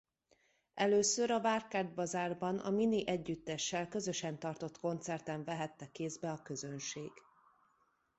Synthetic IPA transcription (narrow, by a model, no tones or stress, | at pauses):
ɛløːsøɾɒvaːrkard̪̚bɒzaːrbɒnɒ̰miniʔɛɟːyt̪ːɛʃːɛlkø̞zøʃɛnt̪ɒrt̪o̞t̪ko̞nt̪sɛrt̪ɛɱvɛɦɛt̪ːɛkeːzbɛɒkø̞zønʃeːɡ